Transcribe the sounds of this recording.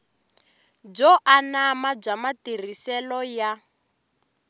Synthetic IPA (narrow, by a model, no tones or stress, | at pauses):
b͡ʐɔʔanamab͡ʐamatir̤isɛlɔja